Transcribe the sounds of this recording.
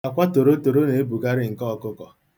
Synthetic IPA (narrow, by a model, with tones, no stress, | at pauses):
a˨kʷa˦to˨ɾo˦to˨ɾo˦ne˨e˦bu˨ka˦ɾɪ˦ŋ̩˨kɔ˦˨kʊ˦kɔ˨